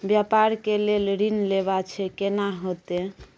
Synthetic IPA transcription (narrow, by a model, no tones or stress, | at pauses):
bjapaɾkelelɾinleβat͡ʃʰɛkenaɦot̪e